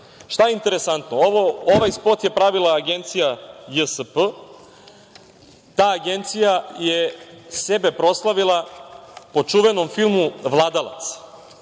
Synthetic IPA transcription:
ʃt̪ajeint̪e̞ɾesant̪nooooʋajspot̪je̞pɾaʋilaːɡe̞nt̪sijajəsəpə | t̪aːɡe̞nt̪sijajesebe̞pɾo̞slˠaʋilˠa | po̞t͡ʂuʋeno̞mfilˠmuʋlˠaːd̪alˠa̰t̪s

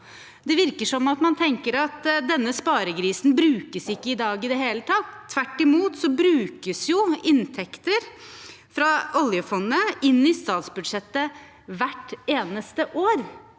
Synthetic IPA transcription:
d̪ɛʋɪɾkəʂɔmːɑt̪mɑnt̪ʰɛŋkəɾɑt̪d̪ɛnːəspɑːɾəɡɾiːsn̩bɾʉːkəsɪkːəɪd̪ɑːɡɪd̪ɛɦeːlət̪ʰɑt̪ʰːʋæʈːɪmuːt̪sɔbɾʉːkəsjʊɪnt̪ʰɛkt̪əɾ | fɾɑʔɔljəfɔnːəɪnːɪst̪ɑːt̪sbʉd̪ʂɛt̪ːə | ʋæʈːeːnəst̪əʔoːɾ

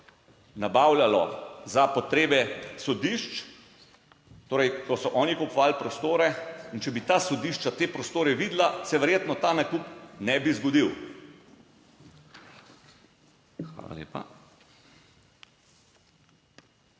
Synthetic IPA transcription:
nabawlʲalɔzapɔt̪ɾeːbɛsɔd̪iʃt͡ʃ | t̪oːɾɛjkɔsɔʔɔːnikɔpɔʋalpɾɔst̪oːɾɛint͡ʃɛbit̪asɔd̪iʃt͡ʃat̪eːpɾɔst̪oːɾɛʋiːd̪lasɛʋɛɾjeːt̪nɔt̪aːnakuːpnɛbizɡɔd̪iw | xʋa̰ːla̰lḛːpa̰

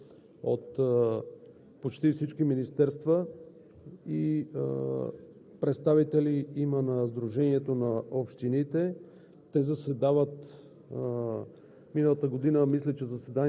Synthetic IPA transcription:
o̰t̪ | pot͡ʃt̪ifsit͡ʃkiminist̪ɛɾst̪və | i | pɾɛt̪st̪avit̪ɛliimənɐzd̪ɾuʒɛniɛt̪onɐopʃt̪init̪ɛ | t̪ɛzɐsɛd̪avət̪ | minəlˠət̪əɡod̪inəmislɛt͡ʃɛzɐsɛd̪an

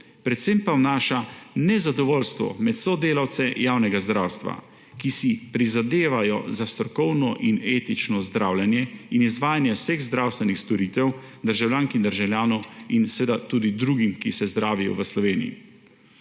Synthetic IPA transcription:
pɾɛt̪sempawnaːʃanɛzad̪ɔʋɔːlst̪ʋɔ̰mɛt̪sɔd̪eːlawt̪sɛjaːwnɛɡazd̪ɾaːwst̪ʋa̰ | kisipɾizad̪eːʋajɔzast̪ɾɔkɔwnɔʔineːt̪it͡ʃnɔzd̪ɾaːwlʲjɛnjɛinizʋaːjanjɛwseɣzd̪ɾaːwst̪ʋɛnixst̪ɔɾiːt̪ɛwd̪əɾʒawljaːŋkind̪əɾʒawlʲjaːnɔwinsʋeːd̪at̪uːd̪id̪ɾuːɡimkisɛzd̪ɾaːʋijɔ̰ʋəslɔʋeːnḭjḭ

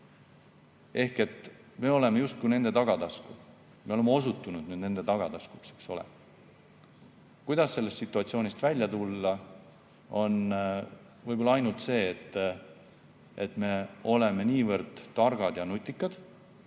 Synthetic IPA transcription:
e̞hke̞t̪ | me̞o̞le̞mejust̪̚kune̞nd̪̥e̞t̪ɑɡ̥ɑt̪ɑsku | me̞o̞le̞meo̞s̬ut̪ːunud̪̥nyːd̪ne̞nd̪̥e̞t̪ɑɡ̥ɑt̪ɑskuksekso̞̰lḛ | kujd̪̥ɑsse̞lːest̪sit̪ːˑuɑt̪sio̞ːnʲist̪vælʲjɑt̪ulːɑ | o̞n | vɤjbo̞lːɑɑjnult̪se̞ːt̪ː | et̪ːˑme̞o̞le̞meniːvɤɾd̪̥t̪ɑrɡ̥ɑd̪̥jɑnut̪ʲːˑikːˑɑd̪̥

